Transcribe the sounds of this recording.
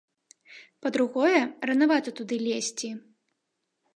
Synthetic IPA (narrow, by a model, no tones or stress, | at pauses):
pɐd̪ɾuɣɔjɛrɐnavat̪ɐt̪ud̪ɨlʲesʲt͡sʲi